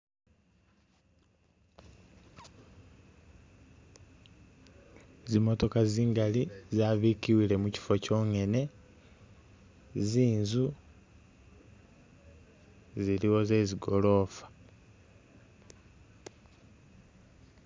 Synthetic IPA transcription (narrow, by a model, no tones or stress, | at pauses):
zimo̞to̞kaziːŋɡalizaːβikiwile̞muci̥fo̞co̞ːŋe̞ne̞ | ziːnzu | ziɾiwo̞ze̞ziɡo̞lo̞ːfḁ